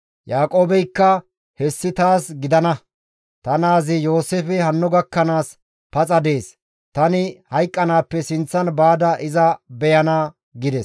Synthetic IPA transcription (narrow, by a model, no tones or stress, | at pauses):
jaːkʼo̞ːbɛjkːɐ | hɛsːɪt̪aːsɡɪd̪ɐnɐ | t̪ɐnaːzɪjo̞ːseːfɛhɐnːɔɡɐkːɐnaːs | pɐt͡sʼɐd̪e̞ːs | t̪ɐnɪhɐjkʼːɐnaːpːɛsɪnt͡sːɐnbaːd̪ɐʔɪzɐbɛjɐnɐ | ɡɪd̪ɛs